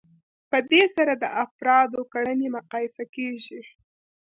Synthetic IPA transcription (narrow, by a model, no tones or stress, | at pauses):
pəd̪esaɾad̪əʔafɾɑd̪okaɽənemʊqɑjɪsakeʒi